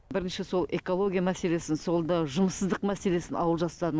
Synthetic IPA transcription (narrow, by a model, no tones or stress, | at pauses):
bɪɾɪnʃɪso̞lˠe̞ko̞lˠo̞ɡʲijamæse̞le̞sɪnso̞lˠd̪ɑʒʊməsəzd̪əqmæse̞le̞sɪnɑ̰wəlˠʒɑst̪ɑɾə